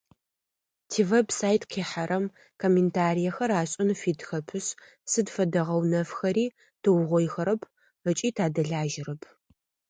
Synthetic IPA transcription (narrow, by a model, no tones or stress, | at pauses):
tʰiːvebsaːjtʼqʰeːħaɾɐm | kʰomentʰaːɾijɐxɐɾaːɕʼɪnfiːtʰxɐpʰɨɕ | sɨdfɐdɐʁɐwnɐfxɐɾiː | d̥ʰɨwʁʷɔjxɐɾɐpʰ | ət͡ʃʼiːtʰaːdɐɮaːʒɪɾɐpʰ